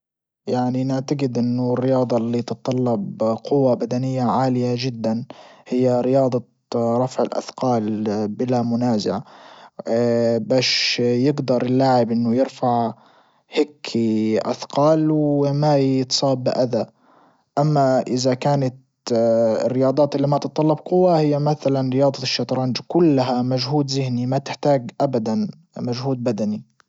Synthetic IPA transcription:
jaʕninɪʕt̪aɡɪd̪ʔɪnːʊrːɪjɑːd̪ˤɑlːit̪ɨt̪ˤːɑlːɑbqʊwːabad̪anɪjːaʕaːlɪjad͡ʒɪd̪ːanhɪjːaɾɪjɑːd̪ˤɑ | ɾˤɑfʕɪ̰lʔa̰θqɑːlbɪlamʊnaːza̰ʕa | baːʃjɪɡd̪ɑɾˤɪlːaːʕɪbʔɪnːʊjɪɾfaʕ | hɪkʰːiʔa̰θqɑːlwɪmajɪt̪sˤɑːbːɪʔad̪a | ʔamːaʔɪzakaːnat̪ | ɪ̰rːɪjɑːd̪ˤɑːt̪ɪlːiːmat̪ɨt̪ˤːɑlːɑbqʊwːahɪjːamaθalanɾɪjɑːd̪ˤɑʃːɑt̪ˤɾˤɑnd͡ʒkʊlːaɦamaʒɦuːd̪zɪhnimat̪ɪħt̪aːɡʔabad̪an | maʒhuːd̪̚bad̪ani

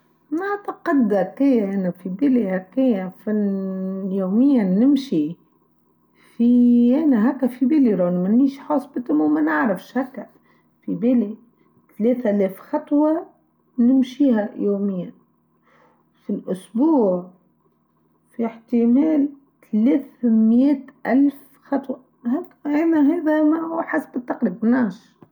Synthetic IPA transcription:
naʕt̪aqɑd̪hækːejaʔænæfibɪlihækːejæfi | joːmɪjːanɪmʃi | fiʔænæɦækːæfibɪliɾˤɑnmæniːʃħɑːsˤbɪt̪ɪmːumænɪʕɾafʃhækːæ | fibeli | t̪leːθlɛːfxɑt̪ˤwɑ | nɪmʃiːɦajoːmɪjːa | filʔʊsbuːʕ | fiħt̪ɪmeːl | t̪aleːθmjeːt̪ʔalf | xɑt̪ˤwɑ | hakːʔenaɦeːd̪amauħasbɪt̪ːɑqɾiːb̚mnaːʃ

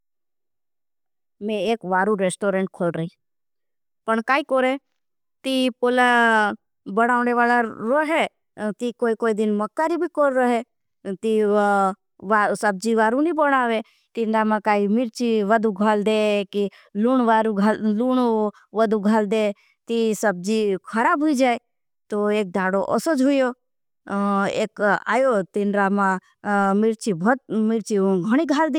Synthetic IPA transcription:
mẽeːkʋaːɾuɾeːsʈoːɾẽɳʈkʰoːlɾəi | pəɳkaːikoɾe | t̪ipoːla | bəɽ̃aːʋneʋaːlaɾoɦɛ | t̪ikoːikoːid̪ɪnməkːaɾibʱikoɾɾəɦe | t̪i | ʋasəb̚d͡ʒiʋaːɾunĩbəɽ̃aːʋe | t̪ɪnɾamãkaːimɪɾt͡ʃiʋəd̪ʱuɡʱaːld̪eki | luːɳʋaːɾũɡʱaluɳu | ʋəd̪ʱuɡʱaːld̪e | t̪isəb̚d͡ʒikʰəɾaːbɦʊid͡ʒaːe | t̪oeːk̚d̪ʱaːɽoʔɔ̰sod͡ʒɦʊjo | ḛːka̰ːjot̪ɪnɾamã | mɪɾt͡ʃibʱət̪mɪɾt͡ʃiɡʱəɽ̃iɡʱaːld̪i

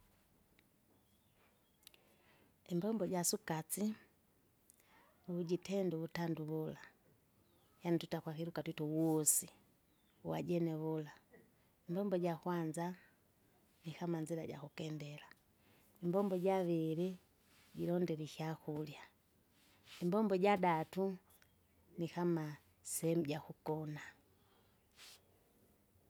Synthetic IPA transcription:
imbɔmbɔɟasukat͡si | uβuɟitɛnduβutanduβula | janituitakwakiɾukatuitɔwɔsi | wa̰ɟɛnɛβula | imbɔmbɔɟakwanza | nikamaɲd͡ʒilaɟa̰kukɛndɛla | imbɔmbɔɟaβili | ɟilɔndɛliʃiakulja | imbɔmbɔɟadatu | nikama | sɛhɛmuɟakukɔna

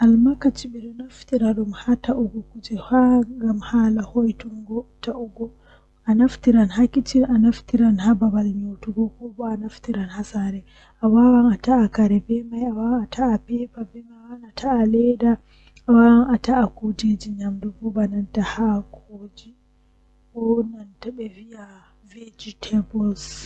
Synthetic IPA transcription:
ʔalmakat͡ʃiɓiɗɔnaftiɾaɗumhataʔɔɡɔkud͡ʒɛhaŋɡamhalahojtuŋɡɔtaʔɔɡɔ | anaftiɾanhakit͡ʃinanaftiɾanhababalɲowtuɡɔkɔbɔanaftiɾanhasaɾɛ | ʔawawanataːkaɾɛbɛmajawawaatʰaːpɛpabɛmawanatʰaːlɛda | awawanataʔakud͡ʒed͡ʒiɲamdɔbɔbanantahakʰoːd͡ʒi | kɔnantaɓɛvija | ved͡ʒitʰɛbɔls

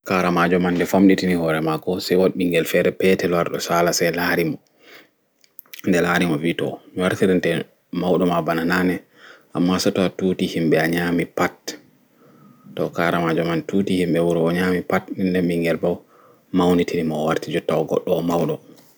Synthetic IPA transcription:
kaɾamad͡ʒɔmanːdɛfamɗitinihɔɾɛmaɡɔsɛwoɗiŋɡɛlfɛɾɛpɛtɛlwaɾɗɔsalasɛlaɾimɔ | ndɛlaːɾimɔviːtɔ̰miwaɾtiɾintɛ | mawɗɔmabanananɛ | ʔamːasɔtɔatuːtihimɓɛaɲamipat | tɔkaɾamad͡ʒɔmantuːtihimɓɛwuɾɔɔɲaːmipatnindɛmɓiŋɡɛlbaw | mawnitʰinimɔwaɾtid͡ʒɔtawɡɔ̰ɗːɔmawɗɔ

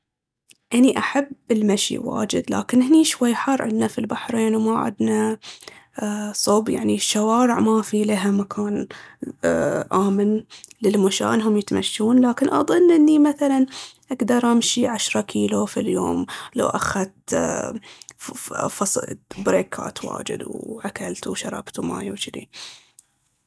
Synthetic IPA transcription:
ʔaniʔaħabɪlmaʃḭwa̰ːd͡ʒɪ̰d̪la̰ːkɪnhɪniːʃwajːħɑrˤːʕɪ̰d̪nafilbaħɾeːnwmaʕɪ̰d̪na | sˤuːbja̰ʕniʃːawaːɾɪʕmafilaɦamakʰaːn | ʔaːmɪnlɪlmʊʃa̰ːnɦʊmjɪt̪ma̰ʃːuːnlaːkɪnʔɑ̰ðˤɨnːʔɪnːimaθalanʔaɡd̪ɑɾˤʔamʃiʕaʃɾˤɑkʰiːlofiljo̰ːmla̰wʔa̰xat̪ | fɑsˤbɾeːka̰ːt̪ʰwa̰ːd͡ʒɪ̰d̪wʕakalt̪wʃɑɾˤɑ̰b̥t̪uma̰ːjawt͡ʃɪd̪ḭ

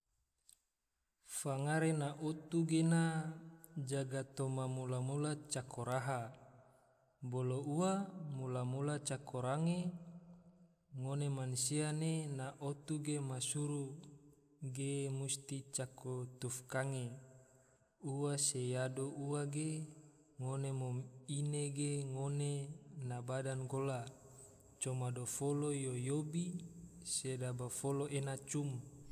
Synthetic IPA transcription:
faŋaɾenaʔot̪uɡena | d͡ʒaɡat̪omamulamulat͡ʃakʰoɾaɦa | bolouamulamulat͡ʃakʰoɾaŋe | ŋonemansianenaʔot̪uɡemasuɾu | ɡemust̪it͡ʃakot̪ufkaŋe | uwasejadoʔuwaɡe | ŋonemomineɡeŋonenabadanɡola | t͡ʃomadofolojojobisedabafoloʔenat͡ʃum

